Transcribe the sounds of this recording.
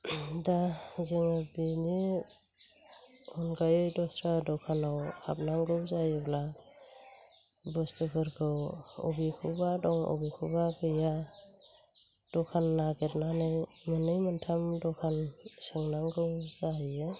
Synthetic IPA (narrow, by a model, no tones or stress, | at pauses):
dazeŋɯbini | ɔnɡajɔjdɔstɾadɔkʰanawhʰa̰p̚naŋɡɯwzajɯbla | bɔstɯbʰɯɾkʰɯwɔ̰bikʰubadɔŋɔ̰bikʰubakʰɯja | d̥ɔkʰanːaɡet̚nanɯj | mɯnːɯjmɯntʰamdɔkʰansɯŋnaŋɡɯwzajɯ